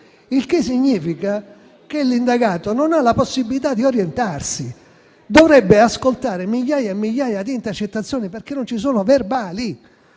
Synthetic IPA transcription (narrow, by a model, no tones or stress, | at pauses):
ilkesːiɲːiːfika | k̟elind̪aɡaːt̪ononalaposːibilit̪ad̪ːioɾjent̪arsi | d̪ovɾɛbːeaskolt̪aːɾemiʎːaːjaemːiʎːaːjad̪iːnt̪ert͡ʃet̪ːat̪sːjoːniperk̟enːont͡ʃisoːnoverbaːli